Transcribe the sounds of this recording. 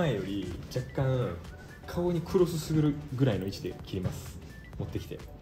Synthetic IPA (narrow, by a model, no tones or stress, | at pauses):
aejo̞ɾʲid͡ʑakːã | kʰaoɲ̟ikʰɯ̟ɾo̞sɨsɨɡɯ̟ɾɯ̟ɡɯ̟ɾaino̞it͡ɕid̪e̞̰kʲiɾʲimasɨ̥ | mo̞t̪ːe̞kʲi̥t̪e̞̰